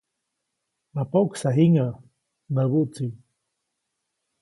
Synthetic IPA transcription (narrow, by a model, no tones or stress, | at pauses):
napoksaɦiŋa | naβuʔt͡si